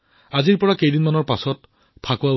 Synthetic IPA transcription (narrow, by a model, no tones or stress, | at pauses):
aziɹpɔɹakejdinmanɔɹpasɔt | pʰakɔwa